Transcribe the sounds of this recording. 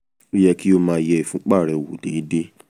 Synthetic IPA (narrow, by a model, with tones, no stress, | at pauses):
i˦jɛ˧ki˦o˧mãː˨˧˦jɛ˧i˨fũ˨˦k͡pa˦˨ɾɛ˨wo˨de˨˦i˦de˦